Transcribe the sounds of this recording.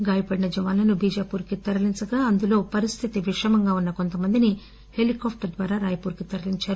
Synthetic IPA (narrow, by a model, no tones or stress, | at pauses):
ɡaːjɐpɐɽinɐd͡ʒɐʋaːnlɐnubiːd͡ʒaːpuːɾkit̪ɐɾɐliɲt͡ʃɐɡaːɐnd̪ulo̞ːpɐɾist̪ʰit̪iʋiʂɐmɐŋɡaːunːɐko̞nt̪ɐmɐnd̪ini | he̞likaːpʰʈɐd̪ʋaːɾaːɾaːjɐpuːɾkit̪ɐɾɐliɲt͡ʃaːɾu